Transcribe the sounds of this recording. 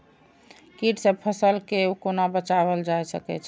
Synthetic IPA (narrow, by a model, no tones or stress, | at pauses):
kiʈsepʰəsəlkeukonabət͡ʃaβəld͡ʒajsəkɛ̰t͡ʃʰ